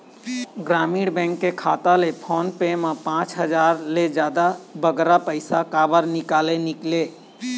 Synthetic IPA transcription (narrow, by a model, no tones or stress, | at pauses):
ɡɾamiɽbɛ̃ŋkːekʰat̪alepʰɔnpemapãt͡ʃɦəd͡ʒaɾled͡ʒjad̪abəɡɾapəɪsakabəɾnikalenikle